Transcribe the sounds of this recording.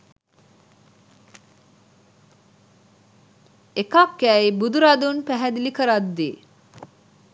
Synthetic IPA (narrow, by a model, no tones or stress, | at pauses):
ekakːæibud̪uɾad̪unpæɦæd̪ilikəɾad̪ːi